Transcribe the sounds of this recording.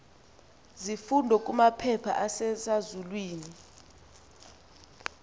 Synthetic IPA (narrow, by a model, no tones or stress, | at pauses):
zifundʱɔkʼumapʰɛpʰa̰ʔasɛsazulwiːni